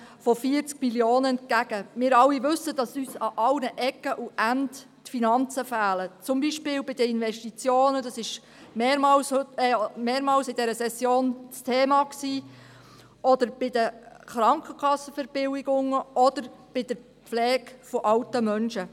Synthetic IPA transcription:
fɔfiəɾt͡skmiljoːnəɛnt̚kæɡ̥əmɪːɾɑlːiʋɵsːədɑsyːsɑʔɑwnəʔɛkːəʔuʔænd | tfinɑnt͡səfæːlət͡sʊmbiʃpɪːlbɪdəɪnʋɛʃtit͡sjoːnədɑsɪʃ | meːmɑls | meːɾmɑːlsɪdɛɾəsɛsjoːnt͡stʰeːmɑksiː | ʔɔd̪əɾb̥ɪdəχɾɑŋkəkχɑsːəfɛɾb̥ɪwɪɡ̥ʊŋəʔɔd̥̪əɾb̥ɪdəɾ | pflɛːɡfɔʔɑwtəmœnʃə

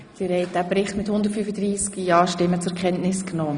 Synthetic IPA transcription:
d̥iɾhɛɪt̚d̥æːpɾɪχtmɪthʊnd̪ətfyfədɾiːskjɑːʃtɪmːət͡sʊɛɾkʰχɛntnɪsknɔː

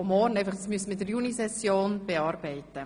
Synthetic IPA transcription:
ʊmɔːrnæɪfɑχtsmyəsmɪtdəɾjunisɛsjoːnb̥eɑːɾbɛɪtːə

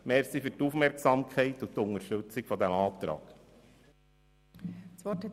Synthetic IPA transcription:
mɛːɾsifyɾtuːfmɛɾksɑmkʰɛɪtʊt̪ʊŋəʃtɵt͡sɪkfɔd̪ɛmɑːt̪ɾɑ̰ːɡ̥ | sʋɔʈɛ

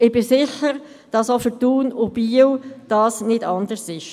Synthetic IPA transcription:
ɪb̥ɪsɪçəɾ | d̥ɑsofətuːnʊb̥iəwd̥ɑːsnɪdɑndəɾsɪʃ

